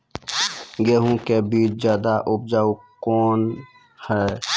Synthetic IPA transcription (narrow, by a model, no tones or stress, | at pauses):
ɡeːɦũkebiːt͡ʃd͡ʒjaːd̪aʔʊb̚d͡ʒaːukɔːn | hɛ